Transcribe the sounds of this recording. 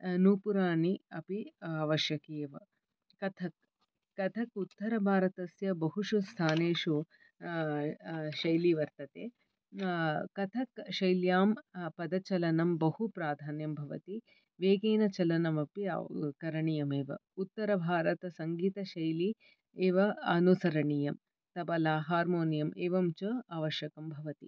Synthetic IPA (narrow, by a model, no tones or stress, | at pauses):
nuːpuɾaːɳiɐ̰piaʋɐʃjɐkeːʋɐ̰ | kɐt̪ʰɐk̚ː | ɐt̪ʰɐkut̪ːɐɾɐbʱaːɾɐt̪ɐsjɐbɐɦuʃust̪ʰaːneːʂu | ʃɐjliʋɐɾt̪ɐt̪ḛː | kɐt̪ʰɐkʃɐjljaːmpɐd̪ɐt͡ʃɐlɐnɐmbɐhupɾaːd̪ʱaːnjɐmbʱɐʋɐ̰t̪i | ʋeːɡeːnɐt͡ʃɐlɐnɐmɐpia̰kɐɾɐɳijɐmeːʋɐ̰ut̪ːɐɾɐbʱaːɾɐt̪ɐsɐŋɡiːt̪ɐʃɐjli | eːʋɐɐnusɐɾɐɳijɐm | t̪ɐpɐlaːɦaːɾmoːnijɐmeːʋɐmt͡ʃɐaːʋɐʃjɐkɐmbʱɐʋɐt̪ḭ